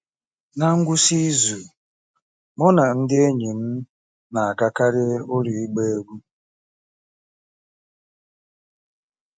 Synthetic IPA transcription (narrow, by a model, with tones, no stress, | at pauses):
na˦ŋ̩˦ɡʷʊ˦si˦zu˨ | mɔ˦na˨n̩˦dɪ˦e˦ɲi˨n̩˦ | na˨a˨ka˦ka˦ɾɪ˦o˦ɾi˨i˦ɡ͡be˦e˦ɡʷu˦